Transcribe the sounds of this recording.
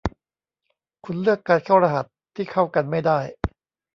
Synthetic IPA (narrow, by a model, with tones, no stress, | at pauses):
kʰu˧nlɯ˥˩əkːaː˧nkʰaː˥˩wɾa˧ɦa˨˩t̪ʰːiː˥˩kʰa˥˩wka˧nma˥˩jdaː˥˩j